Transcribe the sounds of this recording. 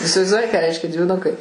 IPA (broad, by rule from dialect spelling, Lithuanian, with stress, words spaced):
ɪsʲɪʋɐɪzˈduɔjɪ kɑː ˈrʲɛɪʃʲkʲɛ dʲʋʲɪˈnʊkɐɪ